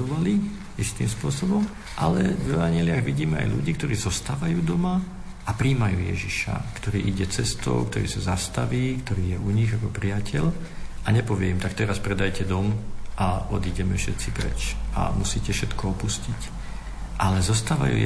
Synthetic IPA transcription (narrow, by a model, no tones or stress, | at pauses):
ɔʋali | ɛʃt̪iːmspʊɔsɔbɔm | ʔalɛvɛʋaɲɪɛlɪaɣʋiɟiːmɛa̰jlṵɟiːkt̪ɔɾiːzɔst̪aːʋajuːd̪ɔma | apɾiːmajṵːjɛ̰ʒiʃa̰kt̪ɔɾiːʔiɟɛt͡sɛst̪ɔ̰ʊk̚t̪ɔɾḭːsazast̪aʋiːkt̪ɔɾiːjɛuɲiɣakɔpɾijacʰɛʎ | ʔaɲɛpɔʋɪɛimt̪akt̪ɛɾaspɾɛd̪ajcɛd̪ɔmʔaɔd̪iːɟɛmɛfʃɛt̪t͡sipɾɛ̰t͡ʃa̰musiːcɛfʃɛt̪kɔɔpuscic | ʔalɛzɔst̪aːʋa̰jṵː